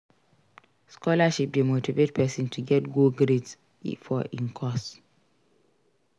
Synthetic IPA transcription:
skɔlaʃip̚demotivet̚pʰɛsĩntʰuɡɛtɡoɡɾets | fɔʔĩnkʰɔs

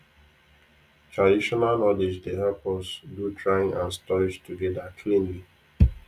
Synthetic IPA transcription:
tʰɹadiʃɔnalnɔlid͡ʒdevɛlpɔsdutʰɹaɪ̃ŋãnstɔlid͡ʒtuɡɛdakʰlĩnli

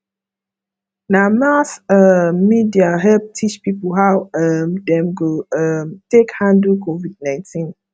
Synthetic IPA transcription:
namasəmːidiaɦɛlp̚tʰit͡ʃpipəlɦawʌmdɛ̃mɡoʌmtekhãndəkʰovid̚nãɪ̃ntʰĩn

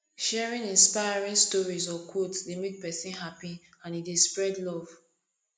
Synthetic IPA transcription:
ʃɛɹĩnĩnspajɹĩnstɔɹizɔkʰodsdemek̚pɛsĩnɦapiãnidespɹɛdlɔv̥

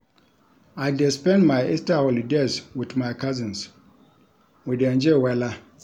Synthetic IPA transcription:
aɪdɛspɛ̃ndmãɪistaholideswiθmaɪkʰazɪ̃ns | widɛ̃nd͡ʒewɛla

